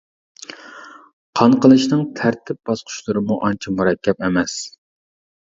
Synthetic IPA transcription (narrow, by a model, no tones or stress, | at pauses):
qʰɑɴqəlˠɨʃnɨŋt̪ʰæɾt̪ʰɪp̚b̥ɑsqʰʊ̥ʃlˠɨɾɨmuʔɑnt͡ʃʰimuɾɛkʲʰːɛpemɛs